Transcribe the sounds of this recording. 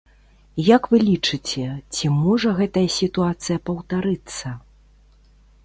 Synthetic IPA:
jakvɨlʲit͡ʂɨt͡sʲɛt͡sʲimɔʐɐɣɛt̪ɐjɐsʲit̪uat̪sɨjɐpɐwt̪aɾɨt̪sːɐ

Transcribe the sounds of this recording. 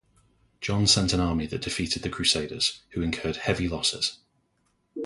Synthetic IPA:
d̥ʒ̥ɒ̃nsɛ̃ntə̃nɑːmiðəʔd̥ɪfiˑtʰɪd̪̚ðəkʰɹ̥ʉˑseɪdə̰z̥hʉɪ̃nkʰɜːd̥hɛvilɒsɪ̰z̥

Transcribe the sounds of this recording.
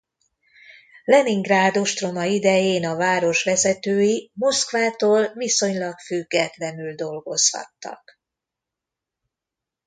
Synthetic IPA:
lɛniŋɡraːd̪o̞ʃt̪ro̞mɒid̪ɛjeːnɒvaːɾo̞ʃʋɛzɛt̪øːjimo̞skvaːt̪oːlviso̞ɲlɒkfyɡːɛt̪lɛnyld̪o̞lɡo̞shɒ̰t̪ːɒ̰k

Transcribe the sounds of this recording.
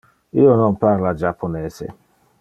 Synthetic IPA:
iononpaɾlad͡ʒapʰːoneːsḛ

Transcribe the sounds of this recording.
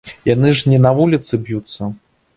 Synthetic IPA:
janɨʐnʲɛnavulʲit̪sɨbjut̪sːɐ

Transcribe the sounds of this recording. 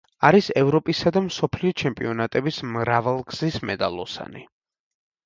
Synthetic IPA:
aɾisɛvɾɔpʼisad̪amsɔpʰliɔt͡ʃʰɛmpʼiɔnat̪ʼɛbismɾavalˠɡz̥ismɛd̪alˠɔsa̰ni

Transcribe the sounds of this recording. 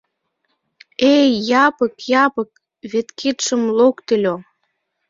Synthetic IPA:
ejɑpəkjɑpək̚ | βet̪kʰit̪ʃə̆mlokt̪əlʲo

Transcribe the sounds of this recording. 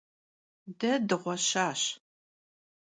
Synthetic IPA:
dɐdɨʁʷɔɕaːɕ

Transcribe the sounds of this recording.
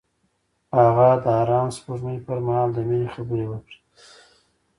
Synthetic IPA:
haɣad̪əɑɾɑːnspuɾnəjpəɾmahɑld̪əmexabəɾewəkɽi̥

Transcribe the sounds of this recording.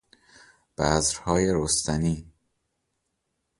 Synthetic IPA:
b̥æːzɾhɒːjeɾost̪æniː

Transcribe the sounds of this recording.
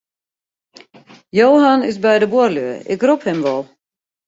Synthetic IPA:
jowɦanɪsbɛjdəbʊrløəɪ̰kruphɪmʋɔlˠ

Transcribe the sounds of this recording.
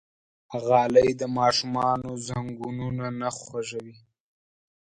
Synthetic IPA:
ɣɑləjd̪əmɑʃumɑnozaŋɡununanaxwaʒawi

